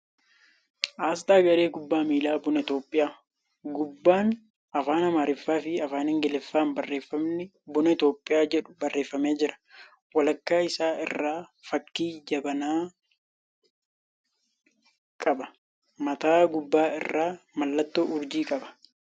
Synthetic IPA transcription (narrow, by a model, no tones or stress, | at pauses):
ʔaːs̬t̪aːɡɐɾe̞ːɡʊbːaːmiːlaːbʊnɐɪt̪oːpʼːɪjaː | ɡʊbːaːn | ɐfaːnɐmaːɾɪfːaːfɪɐfaːnɪŋɡɛlɛfːaːnbɐrːe̞ːfːɐmnɪ | bʊnɐɪt̪o̞ːpʼːɪjaːd͡ʒɛᶑʊ̥bɐrːe̞ːfːɐmeːd͡ʒɪɾɐ̥ | wɐlɐkːaːɪsaːɪ̰rːaːfɐkːiːd͡ʒɐbɐnaː | kʼɐbɐ̥ | mɐt̪aːɡʊbːaːɪ̰rːaːmɐlːɐt̪ːoːʊɾd͡ʒiːkʼɐbɐ̥